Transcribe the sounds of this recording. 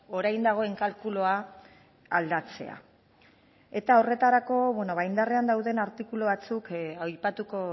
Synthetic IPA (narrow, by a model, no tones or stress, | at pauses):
o̞ɾajnd̪aɣ̞o̞e̞ŋkalkuloa | ald̪at͡se̞̰a̰ | e̞t̪aore̞t̪aɾako̞βwe̞no̞βajnd̪are̞and̪awðe̞naɾt̪ikuloβat͡sukajpat̪uko̞